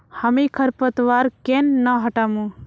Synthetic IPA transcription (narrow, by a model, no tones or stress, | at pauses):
həmikʰəɾpət̪ʋaɾkenːəɦəʈaːmũ